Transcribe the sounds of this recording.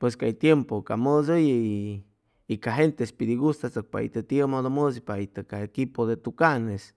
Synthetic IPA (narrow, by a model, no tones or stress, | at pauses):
pweskajt̪jempokamɨsoj | ikaɦent̪espid̪iɣust̪at͡sək̚pa̰ḭt̪ət̪jəmod̪omɨsipait̪əkaekipod̪et̪ukanes